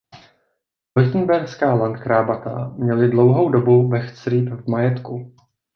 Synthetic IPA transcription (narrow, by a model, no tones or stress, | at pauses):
lɪt̪ən̩bɛɾskaːlant̪kɾaːbat̪a̰mɲɛlɪdlo̞wɦo̞wdo̞bubɛxt͡sɾiːpvmajɛt̪ku